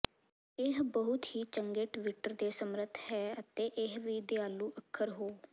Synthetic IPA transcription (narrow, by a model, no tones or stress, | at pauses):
ɪɦbəɦʊt̪hiːt͡ʃəŋɡɪʈʋɪʈəɾd̪eːsəmɾət̪ʰhɛːət̪eːʔɪɦʋiːd̪eaːlũːʔəkʰːəɾɦoː